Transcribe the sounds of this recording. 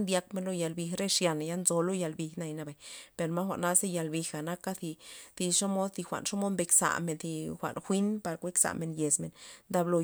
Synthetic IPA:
nd̪ja˧kme˧nlo˦ja˧˨lbi˧xɾe˦ʂja˨n˨ja˦nzo˧lo˦ja˧lbi˧xna˧jna˧ba˨jpe˨ɾma˦xʷa̰˨ʔna˦se˦ja˨lbi˧xa˨na˦ka˦θi˧θi˧ʂo˦mo˦d̪θi˧xʷa̰˨ʔnʂo˦mo˦d̪mbe˧ksa̰˨me˨nθi˧xʷa̰˨ʔnxʷi˦npa˧ɾkʷe˦ksa̰˨me˨nje˨sme˨nnd̪a˧blo˧

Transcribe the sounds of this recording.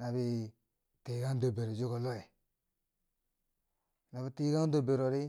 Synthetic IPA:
na˨bi˦ | ti˨˦ɡa˦n˦do˨be˨ɾo˨d͡ʒi˦ko˨lo˦e˨ | na˨bi˨ti˦ɡa˦n˦do˨be˨ɾo˨ɾi˦

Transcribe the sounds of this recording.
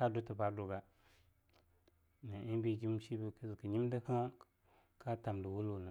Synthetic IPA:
ka˦do˦tə˨pa˦do˨ɡa˦ | na˨ʔi˦bi˦d͡ʒi˦m˦ʃi˦bi˨kə˦zkə˨ɲi˦mdə˦ha˦ | kʰa˦ta˨mdə˨wu˦lo˦˨nə˨

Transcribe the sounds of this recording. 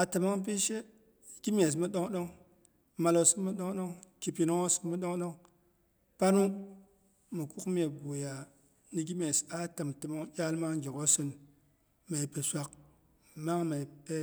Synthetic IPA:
a˨tə˨ma˦ŋp̬i˦ʃe˦ | ɡ̥i˦mʲe˨s̬mə˦ɗo˦ŋɗo˦ŋ | ma˧lo˨sɨ˦mə˦ɗo˦ŋɗo˦ŋki˨pi˨no˦ŋo˦sɨ˦kmə˦ɗo˦ŋɗo˦ŋ | pa˦nu˦ | mə˨ku˦km˦e˨ɡo˨ja˨ | ni˨ɡi˦me˨sa˦tə˨mtə˨mo˦ŋjʲa˦lma˦ŋɡi˨ko˦sɨ˦n | ma˨i˨pe˨sʷa˨k̚ | ma˦ŋma˨pe˦

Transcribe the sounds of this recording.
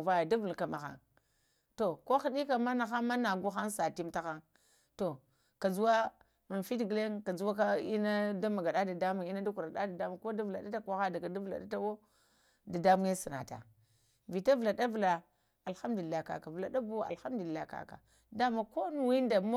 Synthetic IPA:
va˦ja˨da˦vu˨lka˨ma˨xa̰˨n | to˨ko˦xi˦ɗi˦ka˨ma˦na˨xa˦ma˦na˨ɡu˦xa˦nsa˨ti˦mta˦xa˦ŋ | to˨ | ka˨d͡zu˦wa˦ | ma˨fi˦tɡle˦ŋka˨d͡zu˦wa˦k̬a˦i˦na˦da˦ma˨ɡa˨ɗa˦da˨da˦mu˨ŋi˦na˦da˦ku˨ɾa˨da˦da˨da˦mu˨ko˦da˦vla˨ɗa˦ta˦kʷa˦xa˦da˨ka˨da˦va̰˨ɗa˦ta˦wo˦ | da˨da˦mu˦ŋe˦si˨na̰˨ta̰˨ | vi˨ta˦vla˨da˦vla˨ | a˨lxa˦mdu˨i˨lːa˦˨ka̰˨ka˨vla˨da˦bu˦a̰˨lxa˦m˦du˨li˨la˦˨ka̰˦ka̰˨ | da˦ma˦˨ko˦nu˨wi˦n˦da˨m˦

